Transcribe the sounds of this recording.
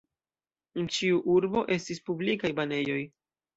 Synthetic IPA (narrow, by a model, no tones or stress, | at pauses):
ent͡ʃiuʔuɾbo̞ʔe̞stispublikajbane̞jo̞j